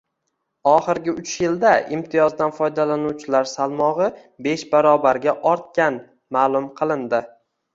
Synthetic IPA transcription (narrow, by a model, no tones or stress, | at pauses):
ɒχɨɾɡʲɪʊt͡ʃjɪld̪aɪmt̪ʰɪjɒzd̪anfɒjd̪alanuwt͡ʃʰɪlaɾsalˠmɒʁɨ | be̞ʃbaɾɒbaɾɡʲaʔɒɾt̪̚kʲan | maːlˠʊmqʰɨlˠɪnd̪ɪ